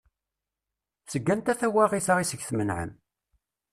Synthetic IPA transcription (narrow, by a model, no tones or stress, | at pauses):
səɡːænt̪æθæwæʁiθʁisəɡθmənʕə̰m